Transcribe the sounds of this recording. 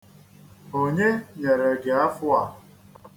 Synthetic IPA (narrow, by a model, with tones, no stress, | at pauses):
o˨ɲe˦ɲe˨ɾe˨ɡe˨a˦fʊ˦a˨